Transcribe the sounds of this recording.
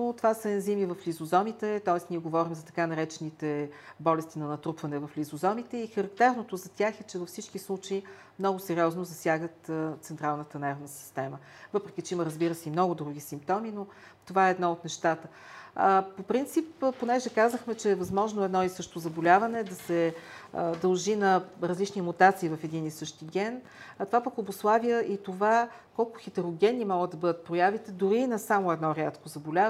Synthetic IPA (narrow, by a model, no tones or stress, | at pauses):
not̪ovasəɛnzimivɐflizozɔmit̪ɛt̪ɔɛsniɛɡovɔɾimzɐt̪ɐ̥kanɐɾɛt͡ʃɛnit̪ɛbɔlɛst̪inɐnɐt̪ɾupvɐnɛvɐflʲizozɔmit̪ɛixəɾɐk̚t̪ɛɾnot̪ozɐt̪ʲjaxɛt͡ʃɛvɐfsit͡ʃkislˠut͡ʃəi | mnɔɡʊsɛɾʲiɔznozɐsʲjaɡət̪t̪sɛnt̪ɾalˠnət̪ənɛɾvnəsi̥st̪ɛmə | vɤpɾɛk̟ʲit͡ʃɛiməɾəzbiɾəsɛimnɔɡʊd̪ɾuɡ̟ʲisimp̚t̪ɔmino | t̪ovaɛːd̪nɔot̪nɛʃt̪at̪ə | popɾint̪sipponɛʒɛkazəxmɛt͡ʃɛːvɐzmɔʒnoɛd̪nɔisɤʃt̪ozɐbolʲavɐnɛd̪ɐsɛ | d̪ɐlˠʒinɐɾɐzlit͡ʃniəmut̪at̪siːvɐfɛd̪inisɤʃt̪iɡʲɛn | t̪ovapəkoboslˠavijəʔit̪ova | kɔlˠkʊxɛt̪ɛɾoɡʲɛnːimɔɡəd̪ɐbɤd̪ət̪̚pɾojavit̪ɛd̪ʊɾinɐsamoɛd̪nɔɾjat̪kozɐbolʲa